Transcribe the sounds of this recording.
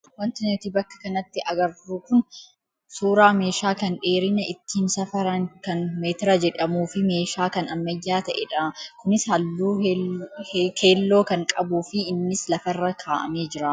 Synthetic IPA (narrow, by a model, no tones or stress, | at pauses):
wɐnt̪ɪnt̪ibɐkːɐ̥kɐnɐt̪ːɪʔɐɡɐɾuːkʊn | suːɾaːme̞ːʃaːkɐnᶑe̞ːɾɪnɐʔɪt̪ːiːnsɐfɐɾɐnkɐnmeːt̪ɪɾɐd͡ʒɛᶑɐmuːfɪme̞ːʃaːkɐnɐmːɐjːaːt̪ɐʔɛᶑɐkʊnɪshɐlːuː | keːlːo̞ːkɐŋkʼɐbuːfɪːnːɪslɐfɐrːɐkʰaːʔɐ̰me̞ːd͡ʒɪɾɐ